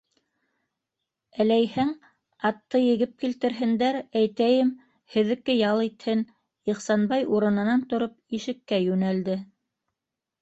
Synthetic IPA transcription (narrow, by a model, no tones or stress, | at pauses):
ælæjhɘŋ | ɑt̪ːɤjɘ̆ɣɘp̚kilt̪ɘ̆ɾɦɘ̆nd̪æɾæjt̪æjɘm | hɘ̆ðɘ̆kːɘjɑlˠit̪hɘn | iχsɑnbɑjuɾɤ̆nɤ̆nɑnt̪ŏɾop̚iʃɘ̆kːæjʉnæld̪ɘ